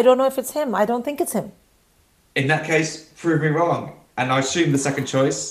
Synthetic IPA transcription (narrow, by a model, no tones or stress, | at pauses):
aɪɾõʊ̃nːoʊɪfɪtshɪ̃maɪdõʊ̃nθɪ̃ŋkɨtshɪ̃m | ɪ̃nðəʔ̚kʰeɪspʰɹ̥ʉːvmiɹɒ̃ŋ | ʔə̃naɪəsjʉ̃ːmðəsɛkə̃nt͡ʃʰɔɪs